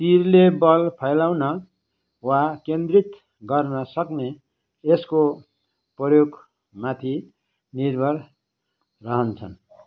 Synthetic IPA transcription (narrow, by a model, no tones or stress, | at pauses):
t̪irlebʌlpʰʌjlawnʌ | wakend̪rit̪ | ɡʌrnʌsʌkne | esko | prʌjoɡ | mat̪ʰi | nirbʱʌl | rʌɦʌnt͡sʰʌ̰n